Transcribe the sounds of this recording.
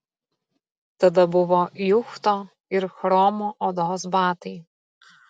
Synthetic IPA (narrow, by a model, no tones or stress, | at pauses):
t̪ɐd̪ɐbʊʋɔjʊxt̪ɔ | ɪɾxɾɔːmɔʔɔd̪ɔɦɔsbɑːt̪ɐj